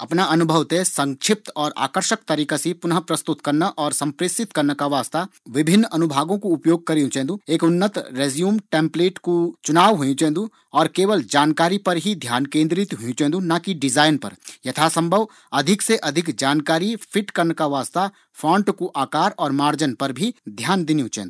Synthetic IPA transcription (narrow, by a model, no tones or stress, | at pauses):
ɐpnaɐnʊbʱəʋt̪esɐ̃ŋkʃʰɪp̚t̪ɔːɾa̰ːkəɾʃək̚t̪ɐɾiːkasipʊnɦəpɾɐst̪ʊt̪kɐɾnaʔɔːɾsɐ̃mpɾɪsɪt̪kɐɾnekaʋaːst̪aʋɪbʱɪnːɐnʊbʱaːɡõkoʊpjoːɡ̚kɐɾiũt͡ʃɛ̃ːnd̪ueːkʊnːət̪ɾeːzjuːmʈẽːmpleːʈkut͡ʃʊnaːʋɦʊjĩt͡ʃɛ̃ːnd̪u | ɔːɾkeːʋəld͡ʒaːnkaːɾipɐɾɦid̪ʱjaːnkẽːnd̪ɾɪt̪ɦʊjũt͡ʃɛ̃nd̪unakiɖɪzaːɪnpɐ̰ɾjɐt̪ʰasɐ̃mbʱəʋ | ɐd̪ʱɪkseʔɐd̪ʱɪkd͡ʒaːnkaːɾifʰɪʈkɐɾnkaʋaːst̪a | fʰɔ̃ːɳʈkuʔaːkaːɾɔːɾmaːɾd͡ʒənpɐɾbʱid̪ʱjaːnd̪ɪnijũt͡ʃɛ̰̃ːndu